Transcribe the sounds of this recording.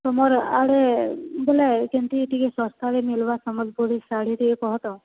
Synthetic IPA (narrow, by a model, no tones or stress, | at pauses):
sɔmɔɾaɽebelakenʈ̪iːʈikesɔst̪ʰaɾemilʋasɔmɔd͡ʒboɽisaɽ̤iʈiekɔɦɔt̪ɔ̃